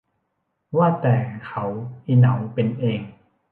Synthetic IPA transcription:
waː˥˩t̪ɛː˨˩kʰa˦˥wʔi˧˩na˩˦wpe˧nʔeː˧ŋ

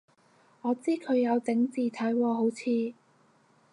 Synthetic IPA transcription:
ɔː˨˧t͡siː˥kʰɵ˨˧ɥjɐ˨˧wt͡sɪ˨˥ŋt͡siː˨t̪ʰɐ˨˥jwɔː˧ɦo˨˥wt͡sʰiː˧

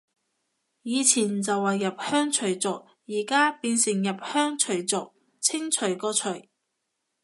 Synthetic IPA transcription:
jiː˨˧t͡sʰiː˨˩nt͡sɐ˨wːɐ˨jːɐ˨p̚hœː˥ŋt͡ʃʰɵ˨˩ɥt͡sʊ˨k̚ | jiː˨˩kaː˥piː˧nsɪ˨˩ŋjɐ˨p̚hœː˥ŋt͡ʃʰɵ˨˩ɥt͡sʊ˨k̚ | t͡sʰɪ˥ŋt͡ʃʰɵ˨˩ɥkɔː˧t͡ʃʰɵ˨˩ɥ

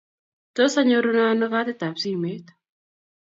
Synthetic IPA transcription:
to˦sa˦ɲo˦ɾu˦na˦no˦ka˦t̪ɪ˦ta˨psi˦˨me˦t̪

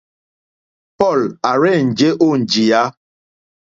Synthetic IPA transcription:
pɔ˦˨la˨ɾɛ˦˨n̩˨d͡ʒe˦ʔo˦˨n˨d͡ʒi˨ja˦

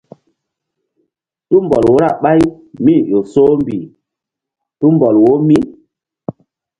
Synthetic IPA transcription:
tu˦m˨bɔ˨lwo˦ɾa˦˨ɓa˦j | mi˦˨jo˨so˦m˦bi˨ | tu˦m˦bɔ˨lwo˦mi˦˨n

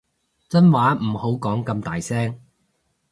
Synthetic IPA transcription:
t͡sɐ˥nwaː˨˥m̩˨˩ho˨˥wkɔː˨˥ŋkɐ˧mt̪aː˨jsɛː˥ŋ

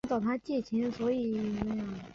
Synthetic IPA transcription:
t͡sɑ˥˨˩ʊt̪ʰa˥t͡ɕjɛ˥˩t͡ɕʰi˧˥nswɔ˧˥i˨˩na˥˩jɑ˥˩ŋ

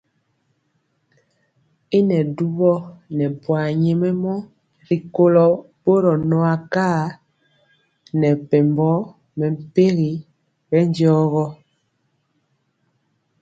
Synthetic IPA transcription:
i˦nɛ˨du˦βɔ˦nɛ˨pwa˨ɲe˨mɛ˦mɔ˦ | ɾi˨ko˦lɔ˨ | bo˦ɾɔ˨nɔ˨a˨kaː˦˨ | nɛ˨pɛ˨mbɔ˦ | mɛ˨m̩˨pe˦ɣi˨ | bɛ˦n˦djɔː˦ɣɔ˦

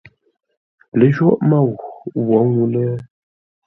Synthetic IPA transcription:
le˨ʒwɔ˦ʔma˦˨wwwɔ˨˦ŋu˦lɛ˦

